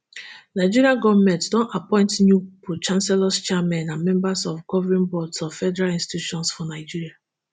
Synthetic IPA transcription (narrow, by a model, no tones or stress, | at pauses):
naɪd͡ʒiɹiaɡɔvmɛ̃ntdɔ̃napɔ̃ɪ̃ntnjupʰut͡ʃãnsɛlɔst͡ʃɛmɛ̃nãmɛ̃mbasɔfɡɔvɛɹĩnbɔdsɔvfɛdɛɹalĩnsti̥ituʃɔ̃nsfɔnaɪd͡ʒiɹia